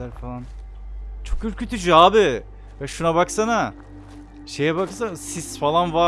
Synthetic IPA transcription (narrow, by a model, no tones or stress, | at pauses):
æɾfalˠan | t͡ʃʰo̞kyɾkʰʲøt̪ʰyd͡ʒyaːbɪ | vɛʃunaβaksana | ʃe̞jɛβbakɯsasisfalˠanva